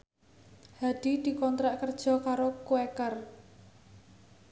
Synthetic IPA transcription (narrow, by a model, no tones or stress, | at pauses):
had̪̥i̤d̪̥i̤kɔnt̪ɾaʔkərd̥ʒ̥ɔ̤kaɾokuɛkər